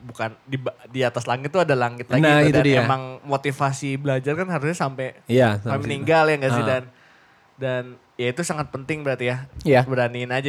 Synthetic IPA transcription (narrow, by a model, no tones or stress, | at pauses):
bukandibdiat̪aslaŋɪt̪ːuadalaŋɪt̪laɡnid̪aiemaŋmot̪ifasibəlad͡ʒarkanɦaɾus̬ɲasampɛjasaɛməniŋɡaljaŋɡaʔsidan | dan | jait̪usaŋat̪̚pənt̪ɪŋbəɾart̪ijajabəɾaninad͡ʒa